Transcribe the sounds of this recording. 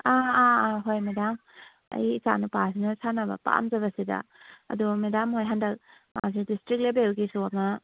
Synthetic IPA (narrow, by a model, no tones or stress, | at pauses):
aːaɦojmedam | ɐ̰jka̰nupas̬inɐsanɐbɐ̰pa̰mzɐβɐsida̰ɐ̰dumedamɦojɦandɐk̚ma̰s̬idistɾik̚lebelɡisuama